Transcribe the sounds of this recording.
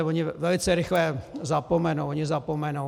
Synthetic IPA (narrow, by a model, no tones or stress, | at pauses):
voɲɪvɛlɪt͡sɛɾɪxlɛzapomɛnowoɲɪzapomɛno